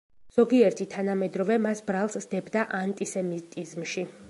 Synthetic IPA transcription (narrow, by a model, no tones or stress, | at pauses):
z̥ɔɡiɛɾt̪ʰit̪ʰanamɛd̪ɾɔvɛmasbɾalˠsd̪ɛbd̪aʔant̪ʼisɛmit̪ʼizmʃi